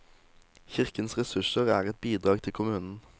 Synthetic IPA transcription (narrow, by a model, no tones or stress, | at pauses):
çɪʁkənsʁɛsʉʃəʁæːʁɛt̪̚biːd̪ʁɑːɡt̪ʰɪkʰʊmʉːnn̩